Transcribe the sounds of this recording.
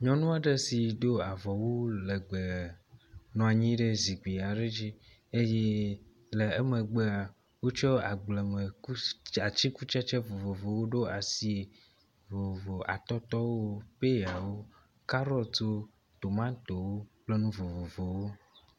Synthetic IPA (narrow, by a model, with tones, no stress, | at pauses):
ɲɔ̃˦nũ˦a˨ɖe˦si˨d̪o˦a˨vɔ˨wo˦le˨ɡ͡be˨ | nɔ̃˨a˨ɲĩ˦ɖe˦zi˨ɡ͡bi˨a˨ɖe˦d͡ʒi˦ | e˦je˦ | le˨ɛ˦me˨ɡ͡be˦a˨ | wo˦t͡ʃɔ˦a˨ɡ͡blɛ˨me˨ku˦a˨t͡ʃi˦ku˦t͡ʃa˦t͡ʃe˦vo˨vo˨vo˨wo˦ɖo˦a˨si˦e˨ | vo˨vo˨a̰˨t̪ɔ˦t̪ɔ˦wo˦pe˦ja˨wo˦ | ka˦ɾɔ˦lt̪o˦ | t̪o˨mã˦t̪o˨wo˦k͡ple˦nũ˦vo˨vo˨vo˨wo˦